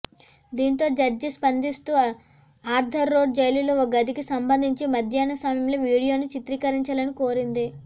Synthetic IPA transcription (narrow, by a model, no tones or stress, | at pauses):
d̪iːnt̪o̞ːd͡ʒɐɾd͡ʒispɐnd̪ist̪uː | aːɾd̪ʱɐɾːo̞ːɖ̚d͡ʒɐjluloːoɡɐd̪ikisɐmbɐnd̪ʱiɲt͡ʃimɐd̪ʱjaːnɐsaːmjɐmloːʋiːɽijo̞ːnit͡ʃit̪ɾiːkɐɾiɲt͡ʃaːlɐnikoːɾind̪i